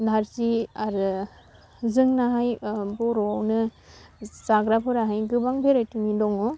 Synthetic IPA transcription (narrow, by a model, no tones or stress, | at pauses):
naɾziaɾɯ | zɯŋnaɦajbɔɾɔwnɯ | saɡɾapʰɯɾaɦajɡɯbaŋbʱeɾajtuŋidɔŋɔ